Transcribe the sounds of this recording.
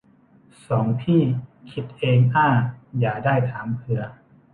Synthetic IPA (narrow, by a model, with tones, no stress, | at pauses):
sɔː˩˦ŋt̪ʰiː˥˩kʰi˦˥t̪̚ʔeː˧ŋʔaː˥˩jaː˨˩daː˥˩jt̪ʰaː˩˦mpʰɯ˧ɐ